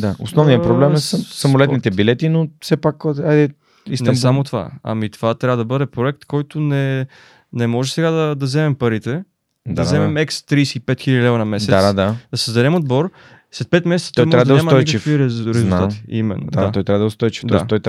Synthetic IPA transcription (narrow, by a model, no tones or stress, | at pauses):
d̪ao̰snɔvnijɐpɾoblɛmɛssːɐmolɛt̪nit̪ɛbilɛt̪inofsɛpakajd̪ɛ | isnsamot̪ova̰ɐ̰mit̪ovat̪ɾʲavəd̪ɐbɤd̪ɛpɾoɛk̚t̪kɔjt̪onɛ | nɛmɔʒɛsɛɡad̪ɐd̪ɐzɛmɛmpɐɾit̪ɛ | d̪aɐzɛmɛmɛkst̪ɾiːsɛipɛt̪xilʲəd̪ilɛvɾɐnɐmɛsd̪ɛt̪ad̪ad̪̥ɐsəzd̪ɐɾɛmod̪bɔɾ | slɛt̪pɛt̪mɛsɛt̪t̪ɔjmɾavəd̪ɲasmnɔjit͡ʃkifkviɾɾɛzzulˠt̪at̪i̥̰imɛ̰nːo̰d̪aat̪ɔjt̪ɾʲavəd̪əost̪ɔjt͡ʃi̥fɔɛast̪ɔjt̪